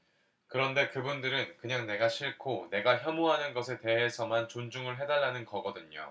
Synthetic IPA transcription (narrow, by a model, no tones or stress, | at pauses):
kɯɾʌnde̞kɯbundɯɾɯnkɯɲaŋne̞ɡaɕʰiɭkʰone̞ɡaçjʌmoɦanɯnɡʌsʰe̞te̞ɦe̞sʰʌmant͡ɕond͡ʑuŋɯɭɦe̞daɭːanɯnkʌɡʌdɯɲo̰